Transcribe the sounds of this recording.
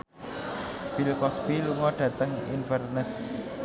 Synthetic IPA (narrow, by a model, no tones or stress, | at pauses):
b̥ilkɔsbiluŋɔɖ̥ä̤t̪əŋḭnfərnəs